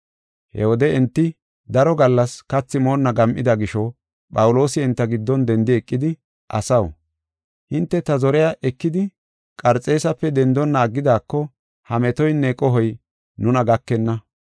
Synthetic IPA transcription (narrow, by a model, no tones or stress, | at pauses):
hɛ̰wɔd̪ɛɛnt̪ːɪ | d̪ɐɾɔɡɐlːɐskɐt͡sːɪmoːnːɐɡɐmʔɪd̪ɐɡɪʃɔ | pʼɐwʊlo̞ːsɪɛnt̪ːɐɡɪd̪ːɔnd̪ɛnd̪ɪɛkʼːɪd̪ɪ | ʔɐ̰sɐw | hɪnt̪ːɛt̪ɐzɔɾɛjaʔɛkːɪd̪ɪ | kʼɐɾt͡sʼːe̞ːsɐpːɛd̪ɛnd̪ɔnːɐːɡːɪd̪aːkːɔ | hɐmɛt̪ɔjnːɛkʼɔɦɔj | nʊnɐɡɐkːɛnːɐ